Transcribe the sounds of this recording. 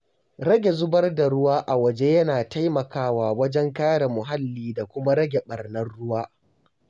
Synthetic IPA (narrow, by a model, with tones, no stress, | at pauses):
ɾɐ˦ɡʲe˨zʊ˦bɐ˦rda˨ɽʊ˦waː˦ʔa˨wɐ˨d͡ʒe˦jɐ˦naː˨ta˦jmɐ˨kaː˦waː˨wɐ˦d͡ʒɛ˦ŋkaː˦ɽa˨mʊ˨ɦa˦lːiː˨da˨kʷʊ˦ma˦ɾɐ˦ɡʲe˨ɓɐ˨rnɐ˦rɽʊ˦waː˦